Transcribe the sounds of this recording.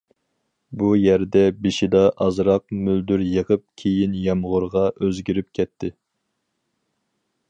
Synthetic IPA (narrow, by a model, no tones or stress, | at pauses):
bujæɾd̪ɛbeʃid̪ɑʔɑzɾɑq̚myld̪yɾjəʁəp̚kʲʰejinjɛmʁʊɾʁɑʔøzɡʲiɾyp̚kʲʰɛt̪ʰːɪ